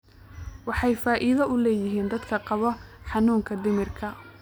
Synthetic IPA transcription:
wɑħɑjfaːʔɪðɐʊlɛːjɪɦiːnd̪ɐd̪kʰɐqɑβɔħɑnuːŋkʰɐd̪ɪmɪrkʰɐ

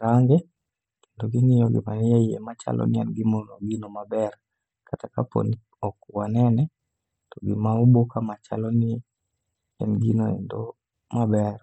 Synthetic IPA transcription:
ɾaŋɡɛ | kendoɡɪŋɪjɔɡɪ̰manɛiɛ̰mat͡ʃa̰lʔɔ̰nɪɛnɡɪmonoɡinomabɛr | kʰatakapo̰n | ɔkwanɛnɛ | toɡɪmaubokamat͡ʃa̰lɔnɪ | ɛ̰nɡinoɛ̰ndo | mabɛr

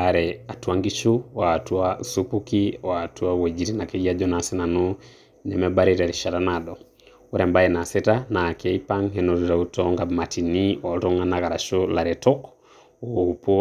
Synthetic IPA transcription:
aɾɛatuaŋɡit͡ʃuwatuausupukiatuawod͡ʒiɾinakeɡiad͡ʒɔnasɛnanu | nɛmɛbaɾiɾɛɾiʃatanadɔ | oɾɛmbaɛnasɛtanakɛipaŋɦɛnɔɾuɾautɔŋɡabmatiniɔtɔŋanakaɾaʃolaɾɛtɔk | oupo

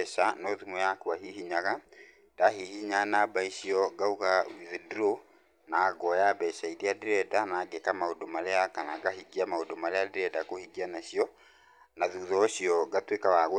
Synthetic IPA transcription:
ɛʃanɔðimɔjakwaɦiɦiɲaɣa | d̥aɦihiɲanabaiɕiɔɡauɣawiðiduɾo | naːɡɔjabɛɕaiɾiadiɾɛdanaːɡekamaodomaɾeakanaɡaɦiɡiamaodomaɾeadiɾɛdakohiɡianaɕiɔ | naðuðɔɕiɔɡatwekawaɣ

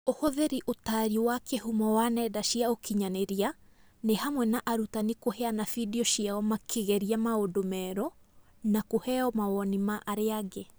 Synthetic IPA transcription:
ohɔðeɾiʔotaɾiwakʰehumɔwanɛdaʃiaokʰiɲaneɾia | nehamwɛnaʔaɾutanikoheanafidiɔʃiaɔmakʰeɣɛɾiamaodomɛːɾɔ | nakohɛɔmawɔnimaʔaɾeaɣe

